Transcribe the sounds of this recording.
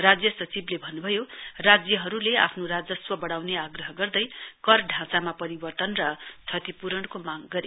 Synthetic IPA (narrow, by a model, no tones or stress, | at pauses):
rad͡zjʌsʌt͡siblebʱʌnːubʱʌjorad͡zjʌɦʌɾulea̰pʰnoɾad͡zʌswʌbʌɽawneaɡrʌɦʌɡʌrd̪ʌjkʌrɖʱãt͡samapʌɾibʌrt̪ʌnrʌt̪ʰʌt̪ipuɾʌnkomaɡɡʌɾe